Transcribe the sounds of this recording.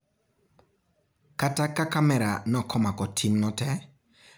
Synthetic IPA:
katakakamɛɾanɔkʰɔmakɔtʰimnɔtɛ

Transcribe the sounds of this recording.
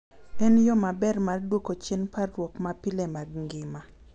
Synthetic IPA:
ɛnjɔmabɛrmardwokot͡ʃenpaːwɔkmapilɛmaɡŋɡɪma

